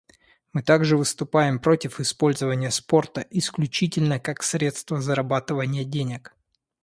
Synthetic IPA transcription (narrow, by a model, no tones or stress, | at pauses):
mɨt̪aɡʐɨvɨst̪ʊpajɪmpɾo̞tʲɪfɪspo̞lʲzəvənʲɪjəspo̞rt̪əʔɪsklʲʉt͡ɕitʲɪlʲnəkaksɾʲe̞t̪st̪vəzəɾɐbat̪ɨvənʲɪjədʲenʲɪk